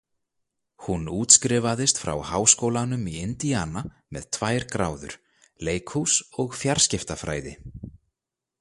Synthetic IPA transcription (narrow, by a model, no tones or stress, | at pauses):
hunuːt̪skɾɪvaðɪst̪fɾa̰whaːwskowlanʏmiɪnt̪iaːna | mɛ̰ð̥t̪ʰvaːjɾkɾa̰ːwðʏ̰ɾ̥ | leːjkʰhusɔɣfjaɾ̥scɪft̪afɾa̰ːjðɪ̰